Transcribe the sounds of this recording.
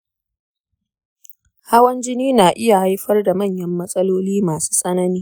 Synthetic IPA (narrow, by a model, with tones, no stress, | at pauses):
ha˦wɐ˦nd͡ʒɪ˦niː˦naː˨ʔɪ˦ja˨ha˦jɸɐ˦rda˨mɐ˦˨ɲjɐ˦mːɐ˦sʼɐ˦loː˦liː˦maː˨su̥ː˦sʼɐ˦nɐ˦niː˦